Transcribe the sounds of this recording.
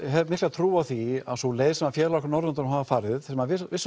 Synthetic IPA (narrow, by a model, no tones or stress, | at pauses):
ɦɛmɪh̪lat̪ʰɾuːaθia̰ðsɔleːjðsɛmafjɛːɾlaɔkɾnɔɾðʏnt̪aɾmɦavafaɾɪðsɛmavɪsvɪs